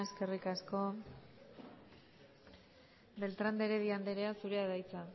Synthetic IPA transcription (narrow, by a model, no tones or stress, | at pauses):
e̞ske̞rikasko̞ | be̞lt̪ɾand̪eɾe̞ðiand̪eɾe̞asuɾe̞aðajt͡sa